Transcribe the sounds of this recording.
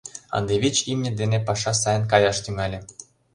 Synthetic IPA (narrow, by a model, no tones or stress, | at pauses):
ɑ̰nd̪eβʲit͡ɕimnʲĕd̪enepɑʃɑsɑjə̆nkɑjɑʃt̪yŋɑlʲĕ